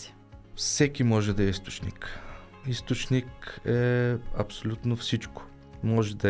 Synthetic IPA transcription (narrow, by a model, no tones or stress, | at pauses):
fsɛkimɔʒɛd̪ɐɛist̪o̥t͡ʃnḭk | ist̪ot͡ʃnikɛɐ̰psolʲut̪nofsit͡ʃko̥ | mɔʒɛd̪ɐ